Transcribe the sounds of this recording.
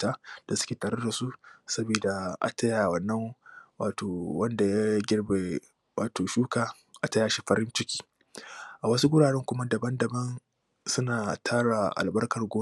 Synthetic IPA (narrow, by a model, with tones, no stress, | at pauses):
taː˦d̥a˨sʊ̥˦kʲeː˨taː˨ɾe˦da˨su˦ʔsɐ˦biː˨da˨ʔa̰˨tɐ˦ja˨wɐ˦nːɐ˦ŋwaː˨toː˨wɐ˦nda˨ja˦ɡʲɪ˦rbe˨ | waː˨toː˨ʃuː˦kaː˨ | ʔa˨tɐ˦jaː˨ʃi˦ɸɐ˦ɾɪ˦nt͡ʃɪ˦kʲi̥ː˦ | ʔa˨wɐ˦su˦ɡʷʊ˦ɽaː˨ɽɛ˦ŋkʷʊ˦ma˦dɐ˨bɐ˦ndɐ˨bɐ˦n | sʊ˦naː˨tʰaː˦ɽa˨ʔa̰˨lbɐ˦rkɐ˨rɡʷoː˦